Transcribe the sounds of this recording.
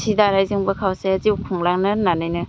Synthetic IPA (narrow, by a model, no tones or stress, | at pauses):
sidaɾajzɯŋbɐkʰawseazikʰuŋlaŋnɯnanajnɯ